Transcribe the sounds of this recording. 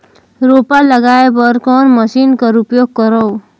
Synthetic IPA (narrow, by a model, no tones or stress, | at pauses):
ɾopalʌɡaebʌɾkʌnmʌsinkʌɾupjoɡ̚ːʌɾʌw